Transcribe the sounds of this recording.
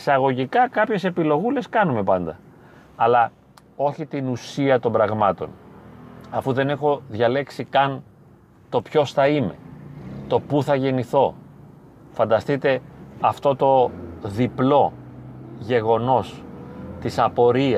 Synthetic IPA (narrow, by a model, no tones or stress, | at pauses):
isɐɣo̞ʝikɐkɐpçe̞se̞pilo̞ɣule̞skɐnume̞pɐnd̪ɐ | ɐlɐ | o̞çit̪inusiɐt̪o̞mbɾɐɣmɐt̪o̞̰n | ɐfuðe̞nexo̞ðʝɐle̞ksikɐn | t̪o̞pço̞sθɐime̞̰t̪o̞puθɐʝe̞niθo̞ | fɐnd̪ɐst̪it̪e̞ɐft̪o̞t̪o̞ðiplo̞ | ʝe̞ɣo̞no̞st̪isɐpo̞ɾiɐ